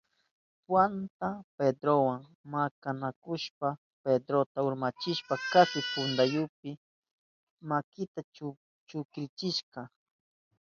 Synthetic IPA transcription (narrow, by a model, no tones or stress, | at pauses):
pwant̪aped̪ɾowaŋ | makanakʊʃpa | ped̪ɾot̪aʊɾmat͡ʃɪʃpakasɪpʊnd̪ajʊp̚ɪ | makɪt̪a | t͡ʃʊkɾɪt͡ʃɪʃkɑ